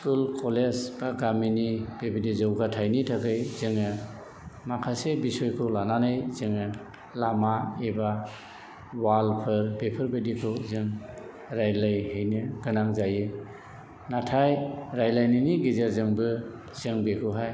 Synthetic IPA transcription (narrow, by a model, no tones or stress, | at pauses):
skulkʰɔlesbaɡaminib̥ebidizawɡatʰajnitʰakɯjzɯŋɯ | makʰasebisɔjkʰulananɯjzɯŋɯ | lamaeba | walpʰɯɾbepʰɯɾbedikʰuzɯŋ | ɾajlajɦɯjnɯɡɯnaŋzajɯ | natʰajɾajlajniniɡizaɾzɯŋbɯ | z̥ɯŋbekʰuɦaj